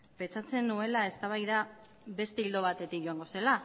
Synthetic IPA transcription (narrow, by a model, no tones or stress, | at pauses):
pe̞t͡sat͡se̞nue̞lae̞st̪aβ̞ajða | βe̞st̪e̞ild̪o̞β̞at̪e̞t̪ikʝo̞aŋɡo̞se̞la